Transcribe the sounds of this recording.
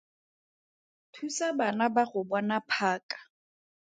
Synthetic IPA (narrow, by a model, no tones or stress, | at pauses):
tʰusabanabaχʊbanapʰaːkʼḁ